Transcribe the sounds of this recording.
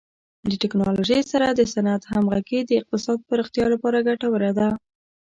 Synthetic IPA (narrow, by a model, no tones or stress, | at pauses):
ləʈɪknɑloʒəjsaɾad̪əsanat̪hamɣaɡid̪əɪq̚t̪ɪsɑd̪̚pəɾɪxt̪jɑlapɑɾaɡaʈawəɾed̪a